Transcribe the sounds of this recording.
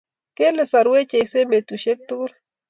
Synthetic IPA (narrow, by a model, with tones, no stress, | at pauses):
ke˦le˨sa˨ɾwe˦t͡ʃe˨jse˦me˨t̪u˨ʃe˦k̚t̪u˦kl